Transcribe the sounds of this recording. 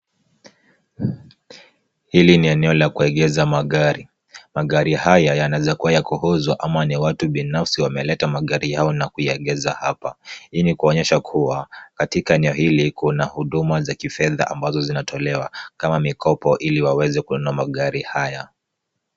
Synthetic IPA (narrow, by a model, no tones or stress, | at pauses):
hiliniɛnɛɔlakuɛɠɛzamaɠaɾi | maɠaɾihajajanazakuwajakuhɔzwaʔamaniwatuɓinafsiwamɛlɛtamaɠaɾijaɔnakujaɛɠɛzahapainikuɔɲɛʃakʰuwakatikaɛnɛɔhilikunahuɗumazakifɛða̰ʔambazɔzinatʰɔlɛwakamamikɔpɔʔiliwawɛzɛkuɔnuamaɠaɾihaja